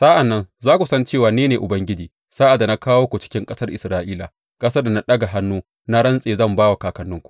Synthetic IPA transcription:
sa˦ʔa˨nːɐ˦nzaː˦kʷu˨sɐ˦nt͡ʃeː˦˨waː˨neː˦neː˨ʔʊ˨bɐ˦ŋɡʲɪ˦d͡ʒiː˨ | saː˦ʔa˨dːa˨na˦kaː˦woː˦kʷu˨t͡ʃɪ̥˦kʲɪ˦ŋkʼɐ˦sɐ˦rʔɪ˨sɾaː˦ʔiː˦la˨ | kʼɐ˦sɐ˦da˨na˦ɗɐ˦ɡa˨ɦa˦nːuː˦ | na˦ɽɐ˦nsʼeː˨zɐ˦˨mbaː˦wa˨kaː˨kɐ˨nːʊ˦ŋkʷu̥˨ʔ

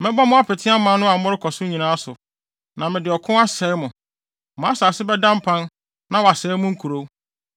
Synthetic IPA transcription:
mɪ̃˦bɔ˦mʊ̃˦a˦pʰɪ˨tʰɪ˦a˦mã˦nʊ̃˦a˨˦mʊ̃˦ɾɪ˦kʰɔ˨sʊ˦ɲĩ˨nãː˨˦a˦sʊ˨ | nã˨mɪ̃˨dɪ˨ɔ˨kʰʊ̃˦a˦sɛ˨˦mʊ̃˨ | mʊ̃˨a˦saː˨sɪ˦bɛ˦dã˦m̩˦pʰã˦n | nã˦wa˨sɛ˨˦mʊ̃˦ŋ̩˦kʰu˨ɾo˦

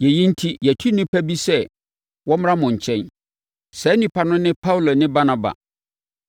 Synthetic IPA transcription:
jɛ˨ji˦n̩˦tʰi˦jɛ˨tʰu˦nɪ̃˦pʰæ˦bi˦sɛ˦˨ | wɔ˦m˦ã˦mʊ̃˨ɲ̩˨t͡ɕʰɛ̃˦n | sɛ˨˦nĩ˦pʰa˦nʊ̃˦nɪ̃˦pʰa˦u˨lo˨nɪ̃˦ba˦nã˨ba̰˨

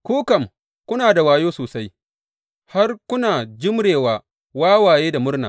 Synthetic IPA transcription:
kuː˦kɐ˨m | kʷʊ˦naː˨da˨waː˨joː˦soː˨sa˦j | ha˦rkʷʊ˦naː˨d͡ʒɪ˦mɽeː˨waː˨ | waː˦waː˨jeː˦da˨mʊ˦rna̰ː˨

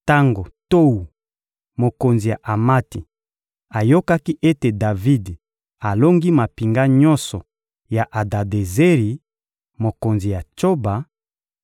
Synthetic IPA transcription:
ta˦ŋɡo˨to˦wu˨ | mo˨ko˨nzi˨ja˨ʔa˨ma˦ti˨ | a˨jo˦ka˦ki˦ʔe˦te˨da˨vi˦d | a˨lo˦ŋɡi˦ma˨pi˨ŋɡa˦ɲɔ˦nsɔ˨ | ja˨ʔa˨da˨de˨ze˦ʁi˨ | mo˨ko˨nzi˨ja˨t͡ʃo˦ba˨

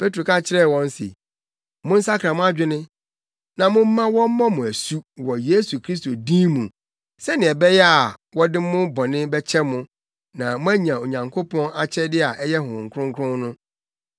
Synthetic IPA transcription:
pʰe˦tɾo˨kʰa˦t͡ɕʰɪ˦ɾɛ˦˨wɔ̃˦n̩˦sḛ˨ | mʊ̃˦n̩˦sa˦kʰɾã˨mʊ̃˦a˦d͡ʑᶣɪ˦nɪ̃˦ | nã˨mʊ̃˦m̩˦mã˦wɔ̃˦m̩˦mɔ̃˦mʊ̃˨æ˨su˦wɔ˨je˦su˨kʰɾi˦s̬to˨dĩ˦mũ˨ | sɛ˦nɪ̃˨ɛ˨bɛ˦jɛ˦a˨wɔ˦dɪ̃˦mʊ̃˦bɔ̃˨nɪ̃˦bɛ˦t͡ɕʰɛ˦mʊ̃˦ | nã˨mʊ̃˦æ˦ɲã˨o˨ɲã˨ŋkʰo˦pʰɔ̃˦na˦t͡ɕʰɛ˦dɪ˦a˨ʔɛ˦jɛ˦ɦʊ̃˨ŋ̩˨kʰɾʊ̃˦ŋ˦kʰʊ̃˦nnʊ̃˦

